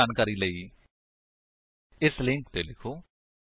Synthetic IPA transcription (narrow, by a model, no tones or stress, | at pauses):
aːnkaɾiːləiː | ɪslɪ̃ŋkt̪eːlɪkʰoː